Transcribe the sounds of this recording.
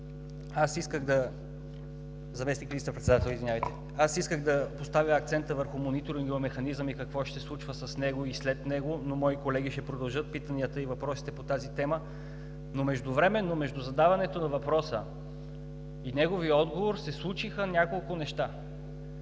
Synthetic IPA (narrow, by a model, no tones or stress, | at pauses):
asiskəɣd̪ɐ | zɐmɛsnikvist̪əpɾɛt̪sɛd̪at̪ɛlˠizvinʲavɐjt̪ɛ | asiskəɣd̪ɐpost̪avjəːk̚t̪sɛnt̪əvəɾxʊmonit̪oɾiniɐmɛxɐnizəmikɐkvɔʃt̪ɛslˠut͡ʃvəsɐsnɛɡoislɛt̪nɛɡonomɔikolɛɡ̟iʃt̪ɛpɾod̪ɐlˠʒɤt̪̚pit̪əniət̪əivɐpɾɔsi̥t̪ɛpot̪azit̪ɛmə | nomɛʒd̪ʊvɾɛmɛnːomɛʒd̪ʊzɐd̪avɐnɛt̪onɐvɐpɾɔsə | inɛɡoviəɔd̪ɡovoɾsɛslˠut͡ʃixənʲjakolˠkʊnɛʃt̪a